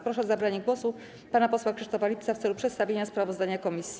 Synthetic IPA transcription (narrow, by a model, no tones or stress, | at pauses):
pɾɔʂɛzabɾaɲɛɡwɔsu | panapɔswakʂɘʂt̪ɔfalʲipt̪saft̪sɛlupʂɛt̪st̪avʲeɲaspɾavɔzd̪aɲakɔmʲisʲ